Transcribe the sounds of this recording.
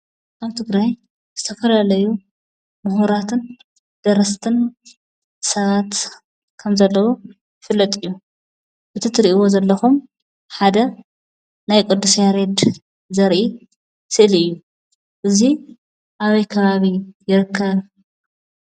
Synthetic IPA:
kaβt̪ʰɨɡɾaj | z̥ɨt̪ʰɐfɐlalɐju | mʊɦuɾat̪ʰɨn | d̪̥ɐɾɐst̪ʰɨn | sɐβat̪ | kʰɐmzɐlːɐwo | jɪfɨlːɐt̪ʼɨjːu | bɨt̪ʰɨt̪ɾiʔɨwo̞zɐlːɐxum | ħad̪ɐ | najkʼɨd̪ːusjaɾed̪ | zɐɾʔi | sɨʔliɨjːu | ʔɨzi | ʔaβɐjkʰɐβaβijɪɾɨkʰːɐβ

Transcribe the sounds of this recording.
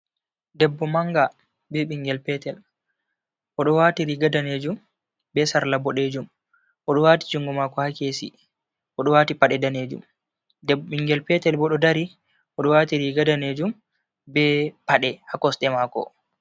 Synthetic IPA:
dɛbːɔmaŋɡa | bɛɓiŋɡɛlpɛtɛl | ʔɔɗɔwatiɾiɡadaned͡ʒum | bɛsaɾlabɔɗed͡ʒum | ʔɔɗɔwati̥d͡ʒuŋɡɔmakɔhakeːsḭ | ʔɔɗɔwaːtipaɗɛdaneːd͡ʒṵm | diŋɡɛlpɛtɛlbɔɗɔdaɾi | ʔɔɗɔwatiɾiɡadaneːd͡ʒum | bɛpaɗɛhakɔsɗɛmakɔ̰

